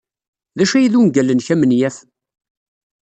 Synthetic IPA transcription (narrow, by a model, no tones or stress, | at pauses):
ðæʃæjðunɡælːənçæmənjæf